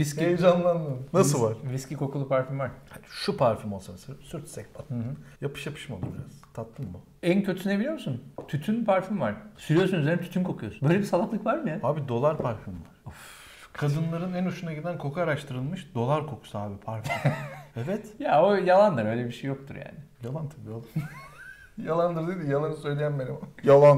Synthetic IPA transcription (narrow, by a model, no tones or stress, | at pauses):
ɾiskced͡ʒanlˠand̪ɯnnasɯlˠvaɾ̥ɾiscikʰo̞kʰulˠupʰaɾfimvaɾhaʃupʰaɾfimo̞lˠsasɯsyɾt̪sɛc̚pʰaɯ̃ɦɯjapɯ̥ʃjapʰɯ̥ʃmad̪ˠɯ̰b̪ʲḭɾazt̪ʰat̪lˠɯnbu | æncʰøt̪ysynebilʲijo̞msunt̪ʰyt̪ʰynpʰaɾfimvaɾ̥syɾijosunyzeɾnɛt̪y̥t̪ʰymkʰo̞kʰyjo̞sunbø̞jlʲebisalˠak̪lˠɯkvaɾmɯjahaːbid̪o̞lˠaɾpʰaɾfymvaɾ̥u | kʰad̪ɯnlˠaɾɯnænuʃunaɟid̪ænkʰo̞kʰaːɾaʃt̪ʰɯɾɯlˠmɯʃd̪o̞lˠaɾkʰo̞kʰu̥saaːbipʰaɾfimevɛt̪jaojalˠand̪ɯɾø̞jlʲebiʃejːo̞k̚t̪ʰuɾja̰ːnɪjalˠant̪ʰabiolˠa | jalˠand̪ɯɾd̪ɯd̪ijalˠanɯsø̞jlʲejænbenʲimjalˠan